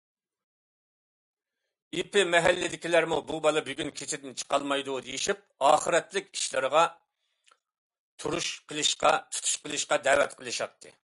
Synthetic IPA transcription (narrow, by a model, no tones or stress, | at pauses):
ipɪmɛɦælːɪd̪ɪkʲilæɾmububɑlˠɑbyɡʲynkʲʰet͡ʃ̪ɪd̪ɪnt͡ʃʰə̥qɑlˠmɑjd̪ud̪ejiʃip̚ɑːχəɾɛt̪lɪkʲi̥ʃlˠɨɾəʁɑ | t̪ʰuɾuʃqʰəlˠɨʃqɑ̰t̪ʰu̥t̪ʰu̥ʃqəlˠɨʃqɑd̪ɛwɛ̰t̪qʰəlˠɨʃɑt̪ʰːɨ̰